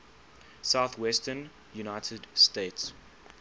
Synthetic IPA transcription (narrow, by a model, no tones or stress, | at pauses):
saʊθwɛstən | junaɪtʰədsteːts